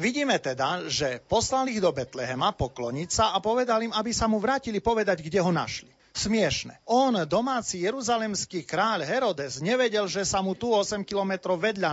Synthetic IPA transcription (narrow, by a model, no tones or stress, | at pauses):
ʋiɟiːmɛt̪ɛd̪aʒɛpɔslaliɣd̪ɔbɛt̪lɛɦɛmapɔklɔɲicsaapɔʋɛd̪alimabisamuʋɾaːcilipɔʋɛd̪aɟɡɟɛɦɔna̰ʃli | smɪɛʃnɛ̰ɔnd̪ɔmaːt͡sijɛɾuzalɛmskiːkɾaːʎɦɛɾɔd̪ɛzɲɛʋɛɟɛlʒɛsamut̪uɔsɛmkilɔmɛt̪ɾɔʊʋɛd̪ʎa